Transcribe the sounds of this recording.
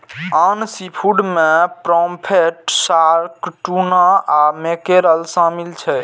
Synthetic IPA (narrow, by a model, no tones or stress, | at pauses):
ansipʰuɖmepɾɔmpʰeʈsaɾkʈunaamekeɾəlsamilt͡ʃʰɛ